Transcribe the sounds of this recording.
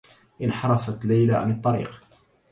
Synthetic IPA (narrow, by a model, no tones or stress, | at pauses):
ʔɪnħɑɾˤɑfat̪lajlaʕa̰nɨt̪ˤːɑɾḭːq